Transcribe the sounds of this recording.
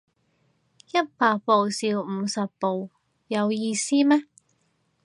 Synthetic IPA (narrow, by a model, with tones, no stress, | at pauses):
jɐ˥t̚paː˨˧k̚po˨˩wsiː˨˧wm̩˨˧sɐ˨pːo˨w | jɐ˨˧wjiː˧siː˥mɛ˥